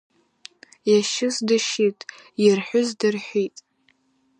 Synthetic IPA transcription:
jaʃɪsdɨʃitʼ | jɪrħʷʊzdɨrħʷitʼ

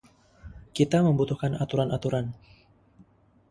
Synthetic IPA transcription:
kit̪aməmbut̪uhkanat̪uɾanat̪uɾan

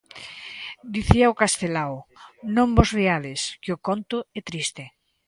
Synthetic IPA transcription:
d̪iθiaʊkast̪elawnõmbɔzriaðɪskɪʊkont̪ʊɛt̪ɾist̪ɪ

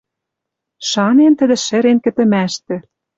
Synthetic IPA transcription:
ʃɑnent̪ə̆d̪ĕʃɘ̆ɾenkɘ̆t̪ɘ̆mæʃt̪ĕ

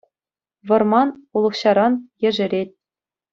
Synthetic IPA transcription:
ʋɤ̆rmɑnulˠɤ̆χɕɑɾɑnjɘ̆ʐɘ̆ɾʲet̚ʲ

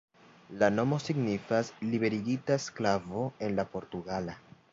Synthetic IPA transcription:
lano̞mo̞siɡnifaslibe̞ɾiɡitasklavo̞e̞nlapo̞ɾtuɡala

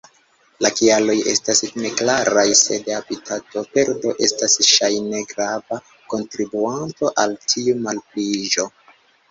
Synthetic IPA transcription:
lakialo̞je̞stasne̞klaɾajse̞de̞abitʰato̞pe̞ɾdo̞ʔe̞stasʃajne̞ɡɾava | ko̞ntɾibuanto̞ʔaltʰiumalplid͡ʒo̞

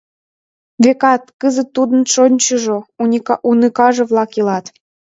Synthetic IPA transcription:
βekɑt̪kəzə̆t̪ːud̪ə̆nʃonʲt͡ɕəʒoɑunɨkɑʒɤ̆vlˠɑkilɑt̪

